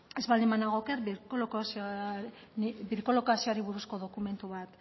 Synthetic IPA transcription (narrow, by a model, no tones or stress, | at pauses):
e̞zβald̪imanaɣokeɾkolks | biɾkolokasioaɾiβuɾusko̞ðo̞kume̞nt̪uβat̪